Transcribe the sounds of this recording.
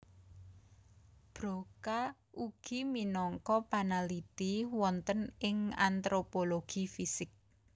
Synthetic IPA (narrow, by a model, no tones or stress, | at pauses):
b̥ɾoka | ʔuɡ̥iminɔŋkɔpanalit̪iwɔnt̪ənɪŋa̰nt̪ɾopoloɡ̥ifisɪk̚